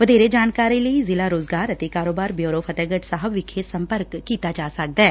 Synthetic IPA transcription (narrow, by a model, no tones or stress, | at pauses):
ʋəd̪eːɾeːd͡ʒaːnkaːɾiːləizɪlaːɾoːzɡaːɾət̪eːkaːɾoːbaːɾbjoːɾoːpʰət̪ɛːɡəʈsaːɦəbʋɪkʰesəmpəɾkːiːt̪aːd͡ʒaːsək̚d̪aɛː